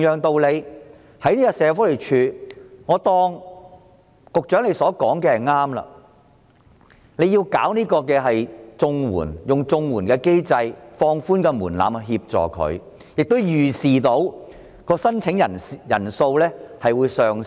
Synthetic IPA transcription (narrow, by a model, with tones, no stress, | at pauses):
jœː˨˩ŋt̪o˧wle˨˧j | hɐ˨˥jniː˥ka˧sɛː˨˧fɔː˨˥le˨˩jt͡ʃʰyː˨˧ŋɔː˨˧t̪ɔː˧˥ŋ | kʊ˨k̚t͡ʃœː˨˥ŋle˨˧jsɔː˨˥kɔː˨˥ŋkɛː˧ɐ˨jŋaː˥mlɐ̰˧ | ne˨˧jiː˧wka̰ː˨˥wniː˥kɔː˧kɛː˧ɦɐ˨jt͡sʊ˧ŋwṵː˨˩njʊ˨ŋt͡sʊ˧ŋwuː˨˩nkɛː˧ke˥jt͡sɐ˧jfɔː˧ŋfuː˥nkɛː˧muː˨˩nla̰ː˨˥m˨ɦiː˧p̚t͡ʃɔ̰ː˨kʰɵ̰˨˧ɥ | jɪ˨k̚t̪o˥wjyː˨˩siː˨t̪o˨˥w | kɔː˧sɐ˥nt͡sʰɪ˨˥ŋjɐ˨˩njɐ̰˨˩nso˧wlɛː˥hɐ˨jwuː˨˧jsœː˨ŋ